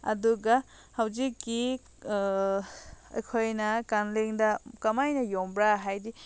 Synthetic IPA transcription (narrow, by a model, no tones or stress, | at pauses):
ɐ̰duɡɐ | hɐwzikːi | ɐ̰jkʰojnɐkanleŋdɐkɐmajnɐjombɾaɦajdi